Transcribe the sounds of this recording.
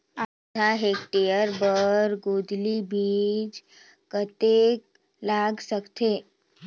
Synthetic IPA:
a | d̪ʱaɦeːkʈejəɾbəɾɡoːd̪libʱiːd͡ʒ | kət̪ek | laːɡsəkt̪e

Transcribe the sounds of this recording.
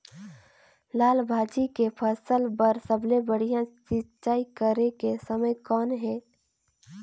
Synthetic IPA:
laːlbʱaːd͡ʒikepʰəsəlbəɾsəblebəɽ̤ijãt͡ʃɪt͡ʃaːikəɾekesəməjkɔːnɦɛ̃ː

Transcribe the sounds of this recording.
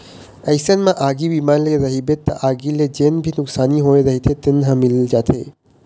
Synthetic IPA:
ɐjsənmãʔaːɡiʋimanleɾɐɦibet̪a̰ʔaːɡiled͡ʒenbʱinʊksaːniɦoeɾɐɦit̪ʰet̪enɦãmɪld͡ʒaːt̪ʰe

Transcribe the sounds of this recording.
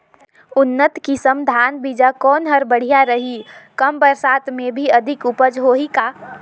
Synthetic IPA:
ʊnːət̪kisə̃md̪ʱaːnbid͡ʒakɔːnɦəɾbəɽ̤ijaɾəɦikəmbəɾsaːt̪mẽbʱiɐd̪ʱɪkʊpəd͡ʒɦoɦikaː

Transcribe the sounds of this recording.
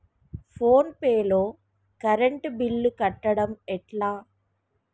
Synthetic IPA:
foːnpeːloː | kɐɾɛɳʈbɪlːɯkɐʈːɐɽɐmɛʈlaː

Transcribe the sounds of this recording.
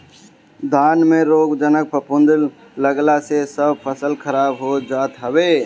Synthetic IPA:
d̪aːnmẽɾoːɡd͡ʒənək̚pəpʊ̃nd̪əl | ləɡlasesəbpʰəsəlkʰəɾaːbɦod͡ʒaːt̪ɦəbeː

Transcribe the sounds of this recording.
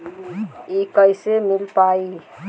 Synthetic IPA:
ikəjsemilpai

